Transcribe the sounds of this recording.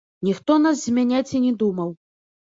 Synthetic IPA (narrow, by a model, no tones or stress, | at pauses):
nʲixt̪ɔnas̬zʲmʲanʲat͡sʲinʲɛd̪umɐw